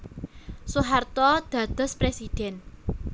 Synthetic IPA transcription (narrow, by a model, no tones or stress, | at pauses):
suɦart̪ɔd̪̥ä̤d̪̥ə̤spɾesid̪̥ɛn